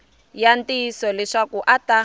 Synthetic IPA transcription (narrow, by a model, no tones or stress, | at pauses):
jantʼisɔlɛʂakuʔata